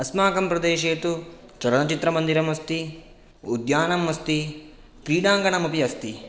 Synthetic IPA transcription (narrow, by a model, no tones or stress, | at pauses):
ɐsmaːkɐmpɾɐd̪eːʃeːɐt̪u | t͡ʃɐɾɐnɐt͡ʃit̪ɾɐmɐnd̪iɾɐmɐst̪i | ud̪jaːnɐmːɐst̪i | kɾiːɽaːŋɡɐnɐmupiɐst̪i